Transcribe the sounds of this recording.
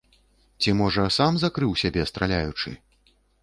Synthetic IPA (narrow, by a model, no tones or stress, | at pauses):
t͡sʲimɔʐɐsamzakɾɨwsʲabʲɛst̪ɾalʲajut͡ʂɨ̰